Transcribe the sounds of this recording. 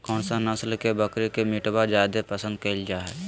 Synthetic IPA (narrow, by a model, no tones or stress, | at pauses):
kɔːɳsanəslkebəkɾekemiʈbad͡ʒaːd̪epəsə̃nd̪̚kəɪld͡ʒaɦɛ